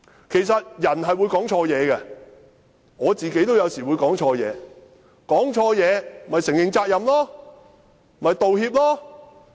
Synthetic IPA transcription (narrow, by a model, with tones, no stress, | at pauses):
kʰe˨˩js̬ɐ˨t̚jɐ˨˩nɦɐ˨jwuː˨˧jkɔː˨˥ŋt͡ʃʰɔː˧jɛː˨˧ɡɛ˧ | ŋɔː˨˧t͡siː˨ke˨˥jt̪o˥wjɐ˨˧wsiː˨wu˨˧jkɔː˨˥ŋt͡ʃʰɔː˧jɛ̰ː˨˧ | kɔː˨˥ŋt͡ʃʰɔː˧jɛː˨˧mm̩˨mɐ˨jsɪ˨˩ŋjɪ˨˧ŋt͡saː˧k̚jɐ˨mlɔː˥ | m̩˨mɐ˨jt̪o˨whiː˧p̚lɔː˥